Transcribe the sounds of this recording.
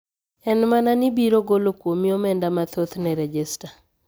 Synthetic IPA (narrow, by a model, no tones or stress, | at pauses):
ɛnmananibiɾoɡolokwomiomɛndamat̪ot̪nɛɾɛd͡ʒɛsta